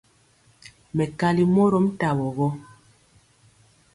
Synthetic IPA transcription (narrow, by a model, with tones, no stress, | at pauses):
mɛ˨ka˨li˨mɔ˦ɾɔ˦m̩˦ta˨wɔ˨ɣɔ˦